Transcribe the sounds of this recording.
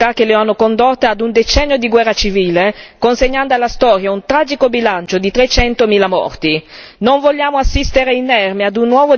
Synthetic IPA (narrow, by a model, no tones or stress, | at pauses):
ak̟ːeleanːokond̪ot̪ːead̪und̪et͡ʃɛnːjod̪iɡwɛrːat͡ʃiviːlekonseɲːand̪oalːast̪ɔːɾjaunt̪ɾaːd͡ʒikobilant͡ʃod̪it̪ɾet͡ʃɛnt̪omiːlamɔ̰rt̪inoɱvoʎːaːmoasːist̪eɾeinːɛrmead̪unːwɔːvo